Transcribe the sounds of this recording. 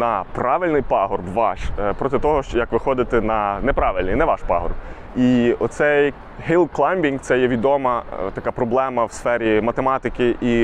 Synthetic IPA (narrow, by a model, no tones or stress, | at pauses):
nɐpɾɑʋɪlʲnɪjpɑɦɔrbʋɑʃpɾɔt̪ɪt̪ɔɦɔjɐkʋɪxɔd̪ɪt̪ɛnɐnɛpɾɑʋɪlʲnɪjnɛʋɑʃpɑ̰ɦɔ̰rb | iɔt̪sɛj | ɦilˠklˠɑjmʲbʲiŋɡt̪sɛjɛʋʲid̪ɔmɐt̪ɐkɑpɾɔblˠɛmɐwsfɛɾʲimɐt̪emɑt̪ɪkɪʔi